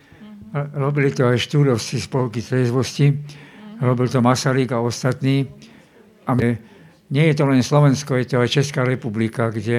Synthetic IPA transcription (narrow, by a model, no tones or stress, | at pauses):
ɾɔbilit̪ɔajʃt̪uːd̪ɔt͡sispɔlkizɛzʋɔsci | ɾɔbilt̪ɔmasaɾiɡaɔst̪at̪niː | amɛ | ɲɪɛjɛt̪ɔlɛnslɔʋɛnskɔjɛt̪ɔajt͡ʃɛskaːɾɛpublikaɡɟɛ